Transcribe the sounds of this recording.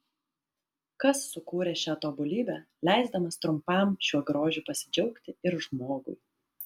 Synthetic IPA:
kɐsːʊkuːɾʲeːʃʲæːt̪oːbʊlʲiːbʲæː | lʲæˑɪzd̪ɐmɐst̪ɾʊmpɑˑmʃʲuɔɡɾoːʒʲuːˑpɐsʲɪ̥d͡ʒʲɛʊkt̪ʲɪɪɾʒmoːɡʊ̰ɪ

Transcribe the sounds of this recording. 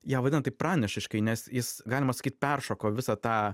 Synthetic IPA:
jæːʋɐd̪ʲɪnɐt̪ɐɪprɑːnʲɛʃʲɪʃkɐɪnʲɛsjɪsɡɑːlʲɪmɐsɐkʲiːt̪̚ʲpʲɛrʃoːkoːʋʲɪsɐt̪ɑː

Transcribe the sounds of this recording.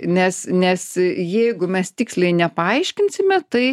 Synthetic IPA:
nʲɛsnʲɛsjɛɪɡʊmʲɛst̪ʲiːksʲlʲɛɪnʲɛpɐɐɪʃʲkʲɪnʲsʲɪmʲɛt̪ɐɪ

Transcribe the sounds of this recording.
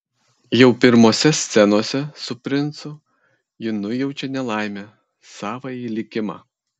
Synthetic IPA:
jɛʊpʲɪɾmoːsʲɛsʲt̪sʲɛnoːsʲɛsʊpʲɾʲɪnt̪sʊ | jɪnʊjɛʊt͡ʃʲɛnʲɛlˠɑˑɪmʲɛ | sɑːʋɐiːlʲɪkʲɪmɑ̰

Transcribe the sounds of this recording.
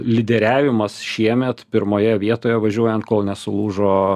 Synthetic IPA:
lʲɪd̪ʲɛɾʲæːʋʲɪmɐsʃʲiɛmʲɛt̪pʲɪɾmoːjɛʋʲiɛt̪oːjɛʋɐʒʲuɔjɛnt̪̚koːlˠnʲɛsʊlˠuːʒoː

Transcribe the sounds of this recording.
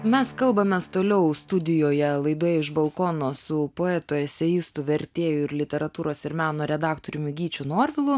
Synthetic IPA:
mʲɛskɐlˠbɐmʲɛst̪oːlʲɛʊst̪ʊd̪ʲɪjoːjɛlˠɐɪd̪oːjɛɪʒbɐlˠkoːnoːsʊpoːɛːt̪oːɛsʲɛjɪst̪ʊʋʲɛɾʲt̪ʲeːjʊɪɾlʲɪt̪ʲɛɾɐt̪uːɾoːsɪɾmʲæːnoːɾʲɛd̪ɑːkt̪oːɾʲʊmʲʊɡʲiːt͡ʃʲunoːɾʲʋʲɪlˠʊ

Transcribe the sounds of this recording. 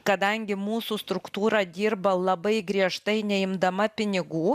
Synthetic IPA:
kɐd̪ɐŋʲɡʲɪmuːsust̪ɾʊkt̪uːɾɐd̪ʲiːɾbɐlˠɐbɐɪɡɾʲiɛʃt̪ɐɪnʲɛɪmd̪ɐmɐpʲɪnʲɪɡuː

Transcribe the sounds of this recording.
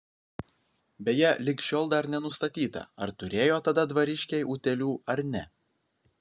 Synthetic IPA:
bʲɛjɛlʲɪkʃʲoːlˠd̪ɐɾnʲɛnʊst̪ɐt̪ʲiːt̪ɐ̰ɐɾt̪ʊɾʲeːjoːt̪ɐd̪ɐd̪ʋɐɾʲɪʃʲkʲɛɪʔuːt̪ʲɛlʲuːɐɾnʲɛ

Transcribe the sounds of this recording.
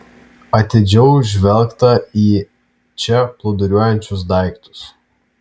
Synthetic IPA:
ɐt̪ʲed͡ʒʲɛʊʒʲʋʲɛlʲkt̪ɐiː | t͡ʃʲɛplˠɐʊd̪ɐɾʲuɔjɛnʲt͡ʃʲʊs̬d̪ɑˑɪkt̪ʊ̥s

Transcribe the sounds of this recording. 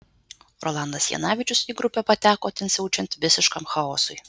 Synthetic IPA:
ɾɔ̰lˠɑnd̪ɐsjɛ̰nɑːʋʲɪt͡ʃʲʊsiːɡɾʊpʲɛpɐt̪ʲæːkoːt̪ʲɛnsʲɛʊt͡ʃʲɛnʲt̪ʲʋʲɪsʲɪʃkɐmxɐoːsʊj

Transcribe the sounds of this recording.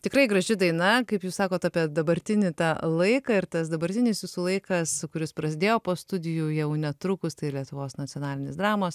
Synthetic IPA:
t̪ʲɪkɾɐɪɡɾɐʒʲɪd̪ɐɪnɐkɐɪpjuːsɑːkoːt̪ɑːpʲiɛd̪ɐbɐɾʲt̪ʲɪnʲɪt̪ɑːlˠɐɪkɐɪrt̪ɐsd̪ɐbɐɾʲt̪ʲɪnʲɪsʋʲɪsuːlˠɐɪkɐskʊɾʲɪspɾɐsʲɪd̪ʲeːjoːpoːst̪ʊd̪ʲɪjujɛʊnʲɛt̪ɾʊkʊst̪ɐɪlʲiɛt̪ʊʋoːsnɐtt͡sʲɪoːnɑːlʲɪnʲɪsd̪ɾɑːmoːs

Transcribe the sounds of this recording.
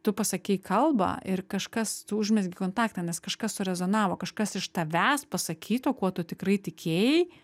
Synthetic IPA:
t̪ʊpɐsɐkʲɛɪkʰɐlˠbɐ̰ʔɪrkɐʃkɐst̪ʊʊʒʲmʲɛsɡʲɪkoːnt̪ɑːkt̪ɐːnʲɛskɐʃkɐssʊɾʲɛzoːnɑːʋoːkɐʃkɐsɪʃt̪ɐʋʲæːspɐsɐkʲʰiːt̪oːkuɔt̪ʊt̪ʲɪkɾɐɪt̪ʲɪkʲeːjɛɪ

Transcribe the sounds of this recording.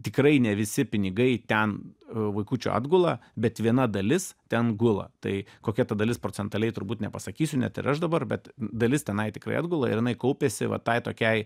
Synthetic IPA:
t̪ʲɪkrɐɪnʲɛʋʲɪsʲɪpʲɪnʲɪɡɐɪt̪ʲɛnʋɐɪkuːt͡ʃʲo̰ːɑ̰d̪ɡʊlˠɐbʲɛt̪ʋʲiɛnɐd̪ɐlʲɪst̪ʲɛnɡʊlˠɐ̰t̪ɐɪkoːkʲɛt̪ɐd̪ɐlʲɪspɾoːt͡s̪ʲɛnt̪ɐlʲɛɪt̪ʊɾbuːt̪nʲɛpɐsɐkʲiːsʲʊnʲɛ̰t̪ɪ̰ɾɐʃd̪ɐbɐrbʲɛt̪d̪ɐlʲɪst̪ʲɛnɐɪt̪ʲɪkɾɐ̰ɪ̰d̪ɡʊlˠɐɪ̰ɾjɪnɐɪkɐʊpʲɛsʲɪʋɐ̰t̪ɐɪt̪oːkʲɛɪ

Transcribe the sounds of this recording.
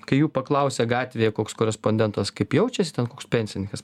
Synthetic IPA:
kɐɪjuːpɐklˠɐʊsʲɛːɡɑːt̪ʲʋʲeːjɛkoːkskoːɾʲɛspoːnʲd̪ʲɛnt̪ɐskɐɪpjɛʊt͡ʃʲɛsʲɪt̪ʲɛnkoːkspʲɛnʲsʲɪnʲɪŋkɐs

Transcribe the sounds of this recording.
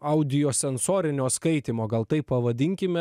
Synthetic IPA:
ɐʊd̪ʲɪjoːsʲɛnsoːɾʲɪnʲoːskɐɪt̪ʲiːmoːɡɐlˠt̪ɐɪpːɐʋɐd̪ʲɪŋʲkʲɪmʲɛ

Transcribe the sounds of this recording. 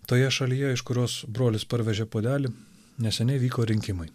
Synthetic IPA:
t̪oːjɛʃɐlʲiːjɛɪʃkʊɾʲoːsbɾoːlʲɪspɐɾʲʋʲɛʒʲeːpoːd̪ʲæːlʲɪ | nʲɛsʲɛnʲɛɪʋʲiːkoːɾʲɪŋʲkʲɪmɐɪ

